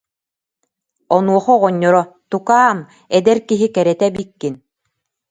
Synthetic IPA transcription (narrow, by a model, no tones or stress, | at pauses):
ɔnuɔχɔʁɔɲːɔɾɔt̪ukaːm | ɛd̪ɛɾkiɦikɛɾɛt̪ɛbiːkːin